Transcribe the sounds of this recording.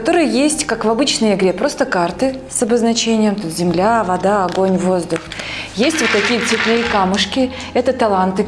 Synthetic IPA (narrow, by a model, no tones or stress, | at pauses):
kɐt̪o̞ɾɨjəjesʲtʲkakvɐbɨt͡ɕnəjɪɡɾʲepɾo̞st̪əkart̪ɨ | sɐbəznɐt͡ɕenʲɪjəmt̪ut̪zʲɪmlʲavɐd̪aɐɡo̞nʲvo̞zd̪ʊxjesʲtʲvot̪ːɐkʲijət̪sʲɪt̪ʲlnɨjkamɨʂkʲɪ | ɛt̪ət̪ɐlˠant̪ɨ